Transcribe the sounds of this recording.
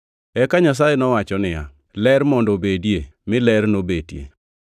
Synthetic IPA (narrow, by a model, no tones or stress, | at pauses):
ɛkaɲas̬ajenɔwat͡ʃɔnɪja̰ | lɛɾmɔndobedjemɪlɛɾnobedjḛ